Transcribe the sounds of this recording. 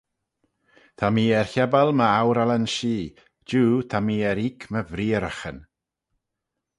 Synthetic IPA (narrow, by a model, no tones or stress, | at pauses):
t̪ʰamiːɛɹçɛbalˠməawɾalənʃiː | d͡ʒuːt̪ʰamiːɛɾikʰməvɾiːəɾəxən